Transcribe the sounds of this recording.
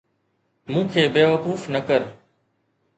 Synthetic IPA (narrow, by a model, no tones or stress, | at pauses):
mũːkʰeːbeːʋəkuːfnəkəɾ